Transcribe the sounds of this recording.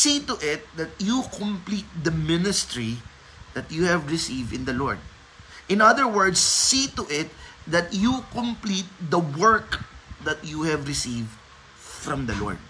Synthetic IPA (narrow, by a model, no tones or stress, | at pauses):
sit̪ʊʔɪt̪̚d̪ɐt̪̚jukɔ̃mplit̪̚d̪ɐmɪnɪst̪ɹi | d̪ɐt̪̚juhɛvɹɪsivd̪ɪ̃nd̪ɐlɔɹd̪̚ | ʔɪ̃nʌðəɹwəɹd̪sːit̪ʊʔɪt̪̚ðɐt̪jukɔ̃mplit̪̚d̪ɐwɜɹkd̪ɐt̪juhɛvɹɪsivd̪ | fɹɔ̃md̪ɐlɔ̰ɹd̪̚